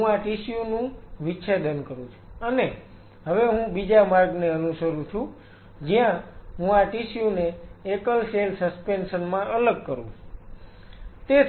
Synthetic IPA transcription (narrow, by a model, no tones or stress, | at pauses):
ɦũaʈisjunũʋiʃed̪ənkəɾũt͡ʃʰu̥əne | ɦəʋeɦũbid͡ʒamaɾɡneənuʃəɾũt͡ʃʰũ | d͡ʒijãɦũaʈisjuneːkəlselsəspensənmãʔələɡkəɾũt͡ʃu | t̪e